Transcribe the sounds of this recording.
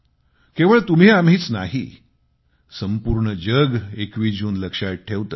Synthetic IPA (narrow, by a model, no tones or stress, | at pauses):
keʋəɭt̪um̤iamɦiːt͡snaɦḭ | səmpuɾɳəd͡ʑəɡekʋiːd͡ʑuːnləkʂaj̚ʈʰeʋt̪ə